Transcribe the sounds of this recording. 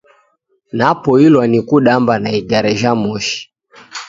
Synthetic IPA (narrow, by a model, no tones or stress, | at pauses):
napɔilwanikuɗambanaiɡaɾɛʒamɔʃi̥